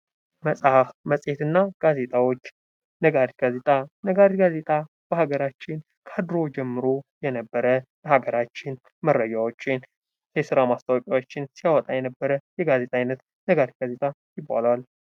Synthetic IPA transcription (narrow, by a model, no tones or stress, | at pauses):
məsʼhafməsʼet̪ɨnːaɡ̥aze̞t̪ʼawo̞t͡ʃː | nəɡaɾt̪ɡazet̪ʼanəɡaɾitɡaze̞t̪ʼa | b̥əhaɡəɾat͡ʃːɪn | kʰad̪ɾo̞d͡ʒɛmːɨɾojɛnəbːəɾəbəhaɡəɾat͡ʃːɪn | mərːəd͡ʒawo̞t͡ʃːɪn | jɛsɨɾamast̪ʰawɔkʼawot͡ʃːɪnsijawɔt̪ʼajɛnəbːəɾəjɛɡaze̞t̪ʼajnət̪ | nəɡaɾit̪̚ɡ̥aze̞t̪ʼa | jɪbːa̰lwal